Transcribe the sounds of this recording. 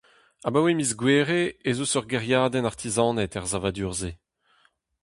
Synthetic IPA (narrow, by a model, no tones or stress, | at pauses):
abawemizɡweːʁeezosœʁɡɛʁjaːd̪ɛnaʁt̪ʰizɑ̃ːnɛt̪ɛʁzavad̪yːʁze